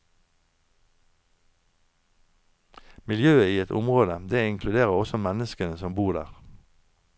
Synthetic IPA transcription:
mɪljøːəiːɛt̪ʰʊ̰mʁoːd̪əd̪eːɪŋkʰlʉd̪eːʁəʁɔsɔmɛnəskənəsɔmbuːʁd̪æ̰ːʁ

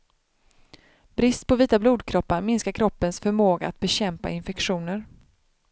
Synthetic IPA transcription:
b̥ɾɪst̪̚pʰɔviːt̪abluːd̪̚kʰɾɔpːaɾmɪnskaɾkʰɾɔpːənsfœɾmoːɡa̰at̪̚bɛɕɛmpa̰ɪnfɛkɧuːnəɾ

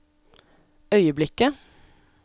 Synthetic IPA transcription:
œʏəblɪkə

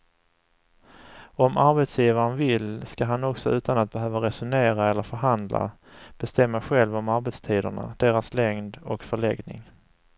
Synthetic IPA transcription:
ɔmʔaɾbɛt̪sjiːvaɾənvɪlskaɦanɔksɔʉ̟ːt̪anat̪̚bɛɦøːvaɾɛsʊneːɾaɛlːəɾfœɾɦand̪la̰ | b̥ɛst̪ɛmːaɧɛlvɔmaɾbɛt̪st̪ʰiːd̪ə̰ɳa̰d̪̥eːɾaslɛŋd̪ɔkfœɭɛɡnɪ̰ŋ

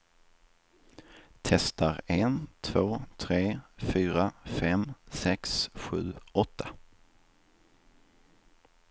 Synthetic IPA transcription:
t̪ʰɛst̪aɾent̪ʰvoːt̪ʰɾeːfyːɾafɛmsɛksɧʉ̟ːɔt̪ʰːḁ

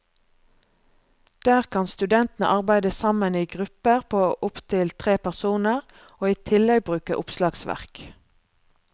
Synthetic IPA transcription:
d̪̥æːʁkʰɑnst̪ʉd̪ɛnt̪n̩ə̰ʔɑʁbæɪd̪əsɑməniːɡʁʉpəʁpʰoːʔʊpt̪ʰɪlt̪ʰʁeːpæʁsuːnəʁ | oːiːt̪ʰɪlɛɡ̚bʁʉːkəʔʊpslɑːɡsʋæ̰ʁk

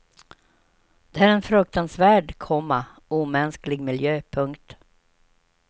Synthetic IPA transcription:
d̪̥ɛæːɾɛnfɾɵk̚t̪ansvæːɖkʰɔmːa | uːmɛnsklɪɡmɪljøːpʰɵŋkt̪

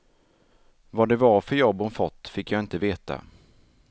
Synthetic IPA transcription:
vad̪ɛvaɾfœɾjɔbʊnfɔt̪ːfɪkːjaɪnt̪əveːt̪a̰

